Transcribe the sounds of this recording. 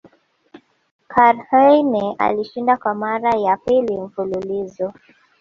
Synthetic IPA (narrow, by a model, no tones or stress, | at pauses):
kʰaɾhɛnɛa̰liʃindakwamaɾajapiliɱ̩fululizɔ